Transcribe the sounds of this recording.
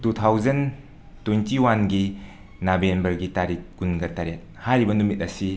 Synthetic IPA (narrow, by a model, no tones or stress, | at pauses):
tut̪ʰawd͡ʒɐn | tujntiwanɡi | nabembɐɾɡitaɾik̚ːunɡɐtaɾet̚hajɾibɐnumit̚ɐsi